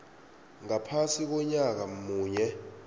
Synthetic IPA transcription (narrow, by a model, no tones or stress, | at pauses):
ŋapʰasik̬ɔɲak̬amuːɲɛ